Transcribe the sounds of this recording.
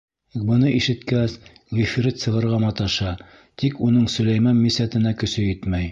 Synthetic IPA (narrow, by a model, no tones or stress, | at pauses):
bɤ̆nɤʔiʃɘ̆t̪kæs | ʁifʲiɾit̪sɤ̆ʁɤ̆ɾʁɑmɑt̪ɑʃɑ | t̪ikunɤɴsɵ̆læjmɑnmisæt̪ɘ̆nækɵ̆sɵjit̪mæj